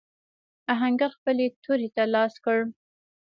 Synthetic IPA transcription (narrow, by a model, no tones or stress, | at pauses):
aɦaŋɡaxpəlet̪ʰoɾet̪alɑskəɽ